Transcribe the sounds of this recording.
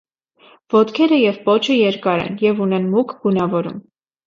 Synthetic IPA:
vɔt̪kʰɛɾəjɛvpɔt͡ʃʰəjɛɾkɑɾɛ̰njɛvunɛnmukʰɡ̥unɑvɔɾṵm

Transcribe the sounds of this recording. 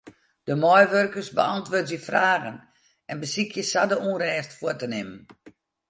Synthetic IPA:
d̥əmɔjʋørkərsbəɑntʋʊːtjifraːɣən | ɛnbəsikʰjəsadəunrɛːstfʊətənɪmən

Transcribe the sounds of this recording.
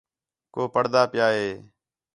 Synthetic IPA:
koːpəɽd̪aːpɪjaːɦeː

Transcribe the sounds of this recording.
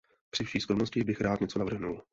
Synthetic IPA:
pr̥ɪfʃiːskɾomnoscɪbɪxɾaːt̪ɲɛt͡sonavr̩ɦnul

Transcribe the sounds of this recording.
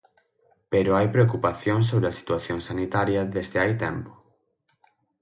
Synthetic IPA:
peɾʊajpɾeokupaθjõŋs̬oβɾeɐsi̥t̪waθjoŋsanit̪aɾjɐðezðɪajt̪ɛmpʊ̥

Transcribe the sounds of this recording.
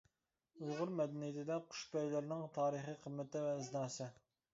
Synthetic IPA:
ulʁʊɾmɛd̪ɛnijɪt̪ʰɪd̪ɛqʰʊ̥ʃb̪ɛjlɪɾnɪŋt̪ʰɑːɾəχiqʰəmːɪt̪ɪvɛːznɑːsɨ

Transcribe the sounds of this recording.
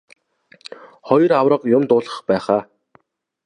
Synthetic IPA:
χɔj̆rawrə̆qjʊmt̪ʊːɮə̆χpæːχaː

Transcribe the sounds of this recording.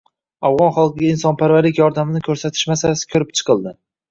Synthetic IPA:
avʁɒnχɑlˠqɨɡʲainsɒnpʰaɾvaɾɪkʲjɒɾd̪amɪnɪkʲʰɵɾsat̪ʰɪ̥ʃmasalasɪ̥kʲʰɵɾɪp̚t͡ʃʰɨ̥qʰɨlˠd̪ɪ

